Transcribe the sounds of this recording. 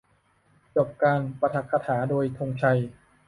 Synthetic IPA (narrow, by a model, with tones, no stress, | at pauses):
t͡ɕo˨˩p̚kaː˧npa˧t̪ʰa˨˩k̚ʰːa˧t̪ʰaː˩˦doː˧jt̪ʰo˧ŋt͡ɕʰa˧j